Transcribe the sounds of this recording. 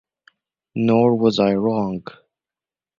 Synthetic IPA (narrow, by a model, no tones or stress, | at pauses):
nɔɹwʌzaɪɹɔ̃ŋɡ